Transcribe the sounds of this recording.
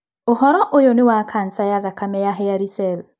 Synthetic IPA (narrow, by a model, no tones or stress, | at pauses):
ʊhɔɾɔʔojonɪwakʰan̩sajaðakamɛjaɦɪjaɾisɛl